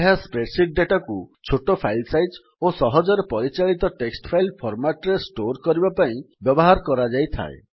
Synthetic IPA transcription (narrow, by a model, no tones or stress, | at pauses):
ɦaspɾeʈsiʈ̚ɖeʈakut͡ʃʰoʈopʰajlsajɖ | osɔɦɔd͡ʒɔɾepɔɾit͡ʃaɭit̪ɔʈeksʈpʰajlpʰɔɾmaʈɾesʈoɾkɔɾibapaĩbjɔbɔɦaɾɔkɔɾad͡ʒajt̪ʰa̰e